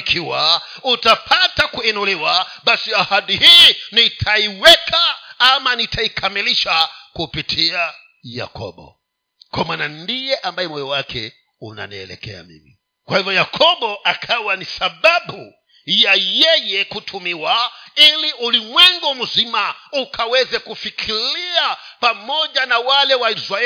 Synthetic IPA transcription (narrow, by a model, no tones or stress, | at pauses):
kʰiwa | utapʰatakuɛnɔlɛwaɓasiahaɗihinitʰaiwɛkʰaamanitʰaikʰamiliʃakupitʰia | ja̰kʰɔ̰ɓɔ̰ | kwamwanandijɛʔambajɛmɔjɔwakʰɛ̰ | una̰niɛlɛ̰kɛ̰a̰mḭmi | kwahivɔjakʰɔɓɔʔakʰawanisaɓaɓu | jajɛjɛkutʰumiwailiʔulimwɛŋɡɔm̩zimaukawɛzɛkufikʰiɾiapamɔʄanawalɛwaizɾaɛ